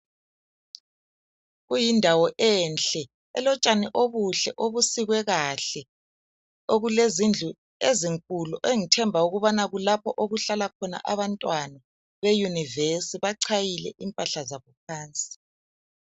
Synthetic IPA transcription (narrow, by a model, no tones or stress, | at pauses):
ɣujindʱawɔʔɛnɬɛ | ɛ̰lɔt͡ʃʼaniʔoβuɬɛʔoβusiɣwɛɣaɬɛ | oɣulezind͡ɮʱu | eziŋkʼuluʔeŋitʰɛmbʱauɣuβanaɣulapʰɔʔoɣuɬalakʰɔna̰ʔaβantʼwana | βejunivesiβaǀʰajilɛ̰ʔimpʼaɬazaβɔp̚ʰaːnt͡sʼi̥